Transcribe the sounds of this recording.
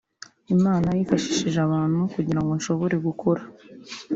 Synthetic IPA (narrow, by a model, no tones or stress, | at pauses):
imaːnajiːfaʃi̥ʃiʒaβaːnhukuɟiɾaŋɡo̞nʃo̞βo̞ɾe̞ɡukʰo̞ɾa